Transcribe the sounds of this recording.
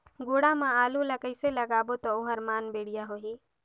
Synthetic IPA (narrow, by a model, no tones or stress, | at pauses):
ɡoɽamãaːluləkəɪseləɡaːbot̪ɔʊɦəɾmaːnbeɽijaɦoɦi